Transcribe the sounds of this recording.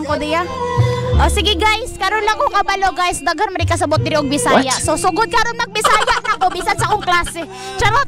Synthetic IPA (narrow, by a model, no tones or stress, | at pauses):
ŋkod̪ija | ʔosiɡɪɡajskaɾɔnlaŋokabaloɡajsd̪aɡhanmaɾikas̬ɐbʊt̪̚d̪iɾiʔoɡ̚bisajaʔsosoɡʊd̪̚kaɾɔnnaɡ̚bisajaʔnakobisansakoŋklasɪ | t͡ʃaɾat